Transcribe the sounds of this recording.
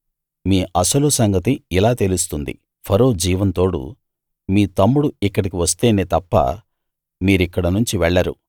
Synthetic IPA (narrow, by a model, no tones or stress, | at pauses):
miːʔɐsɐlusɐŋɡɐt̪iilaːt̪elust̪und̪ḭ | pʰɐɾo̞ːd͡ʒiːʋɐnt̪o̞ːɽṵ | miːt̪ɐmːuɽuikːɐɽikiʋɐst̪e̞ːneːt̪ɐpːɐ̰ | miːɾikːɐɽɐnuɲt͡ʃiʋɛɭːɐɾṵ